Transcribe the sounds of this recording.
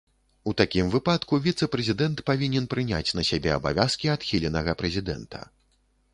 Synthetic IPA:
ut̪akʲimvɨpat̪kuvʲit̪sɐpɾɛzʲid̪ɛnt̪pavʲinʲɛnpɾɨnʲa̰t͡sʲnɐsʲabʲɛɐ̰ba̰vʲaskʲiat̪xʲilʲɛnɐɣɐpɾɛzʲid̪ɛ̰nt̪ʰɐ̰

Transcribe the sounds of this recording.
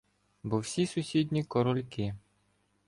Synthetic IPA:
bɔwsʲisʊsʲid̪ʲnʲikɔɾɔlʲkɪ

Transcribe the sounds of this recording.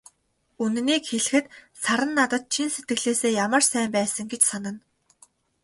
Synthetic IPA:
unniːkxeɮɘ̆xɘ̆t̪ | saɾə̆nːat̪ə̆t̪̚t͡ɕʰinset̪̚ɡɘ̆ɣɮeːseːjamə̆rsæːmpæːsə̆ŋɡet͡ɕsanə̆n

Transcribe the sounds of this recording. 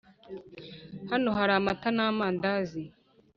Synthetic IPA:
hanoɦaɾaːmatanamaːndazi

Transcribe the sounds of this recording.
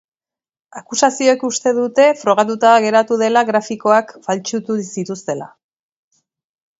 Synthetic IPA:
akusasio̞ekust̪e̞ðut̪e̞fɾo̞ɣ̞at̪̬ut̪aɣe̞ɾat̪uðe̞laɣɾafiko̞akfalt͡ʃut̪usit̪ust̪e̞la̰

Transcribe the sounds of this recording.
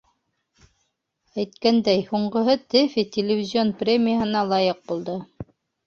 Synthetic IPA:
æjt̪kænd̪æjhuɴɢɤ̆ɦɤt̪ɘfʲit̪ʲɪlʲɪvʲɪzʲɪo̞nprʲemʲɪjəɦɤ̆nɑlˠɑjɤq̚bulˠd̪ɤ

